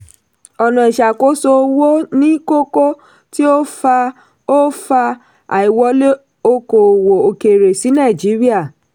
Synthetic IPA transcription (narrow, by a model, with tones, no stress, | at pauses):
ɔ˨nã˨i˨ʃa˨ko˨˦so˧wo˦nĩ˦ko˦ko˦ | ti˦o˦fa˧ | o˦fa˧ | a˨i˨wɔ˨˧˦le˦ | o˧ko˨wo˨o˧˨ke˨ɾe˨si˨˦nã˦˨d͡ʒi˨˦ɾi˦a˦˨